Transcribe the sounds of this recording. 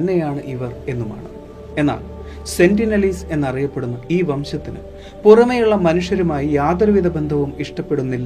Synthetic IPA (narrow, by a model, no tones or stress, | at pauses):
nːejaːɳɨʔiʋɐre̞nːuma̰ːɳɨ | e̞nːa̰ːl | se̞ndinɐlise̞nːɐrijɐpːe̞ɽunːuiːʋɐmɕɐt̪ːinɨ̰ | purɐmɐjuɭːɐmɐnuʂjɐɾumaːjijaːt̪rɨʋid̪ɐbe̞nd̪ʱɐʋumiʂʈɐpːe̞ɽunːilː